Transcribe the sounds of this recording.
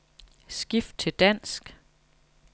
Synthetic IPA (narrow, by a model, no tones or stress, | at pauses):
sɡ̥ifd̥̚t͡sʰe̝ld̥æn̰sɡ̥